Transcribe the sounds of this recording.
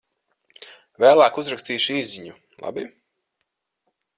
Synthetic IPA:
væːlˠaːkuzɾakst̪iːʃiːziɲu | lˠa̰bi

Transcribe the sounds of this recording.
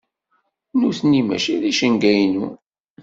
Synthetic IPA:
nuθnimæ̰ʃiðiʃənɡæjnu

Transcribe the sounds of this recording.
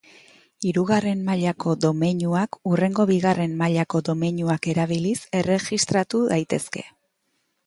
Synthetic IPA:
iɾuɣare̞mmaʎako̞d̪o̞me̞ɲuakure̞ŋɡo̞βiɣare̞mːaʎako̞d̪o̞me̞ɲuake̞ɾaβ̞ilise̞re̞ʝist̪ɾat̪uðajt̪e̞ske̞

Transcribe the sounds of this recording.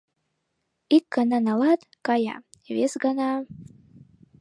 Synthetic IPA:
ik̚ɡananalat̪ | kaja̰ | vesɡana

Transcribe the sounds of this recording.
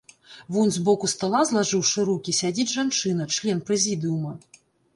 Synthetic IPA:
vunʲzbɔkust̪alˠazlˠaʐɨwʂɨɾukʲisʲad͡zʲid͡zʲʐant͡ʂɨnɐt͡ʂlʲɛnpɾɛzʲid̪ɨumɐ

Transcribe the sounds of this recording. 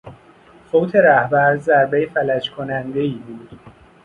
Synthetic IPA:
fowt̪ʰe̞ɾæhbæɾzæɾbejfælæt͡ʃkʰonænd̪e̞iːbuːd̪̥

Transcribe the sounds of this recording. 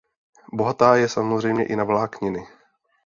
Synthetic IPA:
boɦat̪aːjɛsamozr̝ɛjmɲɛ̰ʔɪnavlaːkɲɪnɪ

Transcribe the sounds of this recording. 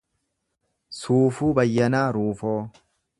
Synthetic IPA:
suːfuːbɐjːɐnaːɾuːfoː

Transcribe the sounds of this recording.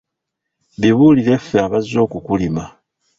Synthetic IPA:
βiβuːlile̞feaβazo̞ːkukulima

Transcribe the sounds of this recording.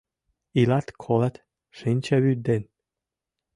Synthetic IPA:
ilɑt̪kʰolat̪ | ʃɨnʲt͡ɕæβyd̪en

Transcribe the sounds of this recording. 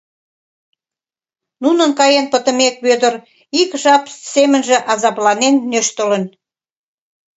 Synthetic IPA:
nunənkɑjenpət̪əmek̚βød̪ər | ikʒɑpsemənʒĕʔɑzɑplɑnenːøʃt̪ələn

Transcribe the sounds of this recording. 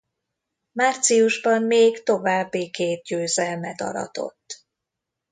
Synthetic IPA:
maːrt̪sijuʒbɒmːeːɡt̪o̞vaːbːikeːt̪̚ɟøːzɛlmɛt̪ɒ̰ɾɒ̰t̪o̞̰t̪ː

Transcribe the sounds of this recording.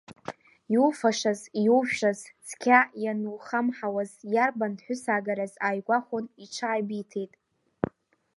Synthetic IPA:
jufaʂazjuwʃazt͡sʰkʲʰajanuwχamħawazjarbanħʷᶣʊsaɡaɾazaːjɡʷaχʷoniʈ͡ʂʰaːjbitʰe̞jtʼ

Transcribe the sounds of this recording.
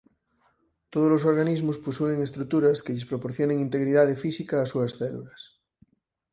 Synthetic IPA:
t̪oð̞olos̬oɾɣanizmosposueŋest̪ɾut̪uɾɐskeʎespɾopoɾθjoneŋint̪eɣɾiðað̞efisikaːsuasθɛlṵlas

